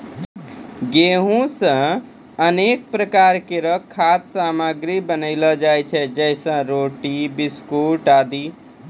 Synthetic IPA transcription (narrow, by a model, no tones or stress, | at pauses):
ɡeɦũsə̃ | ənek̚pɾəkaɾkeɾʌkʰːat̪samaɡɾibənəɪlɔd͡ʒajt͡ʃʰɛd͡ʒɛɪsə̃ɾoʈibiskuʈad̪i